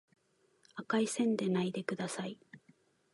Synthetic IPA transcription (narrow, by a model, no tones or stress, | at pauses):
akaisẽ̞nd̪e̞naid̪e̞kɯ̟d̪asai